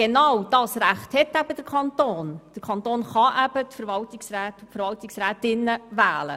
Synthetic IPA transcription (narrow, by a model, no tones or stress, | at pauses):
ɡ̥enɑwd̥ɑːsɾæχthɛtːæb̥əd̥əɾkʰχɑntoːnd̥əɾkʰɑntoːnχɑʔæb̥ətfəɾvɑltɪksræːtfəɾvɑltɪksræːtɪnːəvæːlə̰